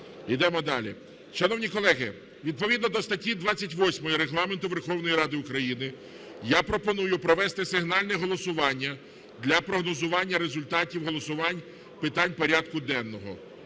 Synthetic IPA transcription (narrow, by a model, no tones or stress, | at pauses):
id̪ɛmɔd̪ɑ̰lʲḭ | ʃɐnɔwnʲikɔlˠɛɦɪ | ʋʲid̪̚pɔʋʲid̪nɔd̪ɔst̪ɐtʲid̪ʋat͡sʲːɐtʲʋɔsʲmɔjiɾeɦlˠɑment̪ʊʋerxɔwnɔjiɾɑd̪ɪʊkɾɐjinɪ | japɾɔpɔnujʊpɾɔʋɛst̪ɪsɪɦnɑlʲnɛɦɔlˠɔsʊʋɑnʲːɐ | d̪lʲɐpɾɔɦnɔzʊʋɑnʲːɐɾezʊlʲt̪ɑtʲiwɦɔlˠɔsʊʋɑnʲ | pɪt̪ɑnʲpɔɾʲad̪kʊd̪ɛnːɔɦɔ̰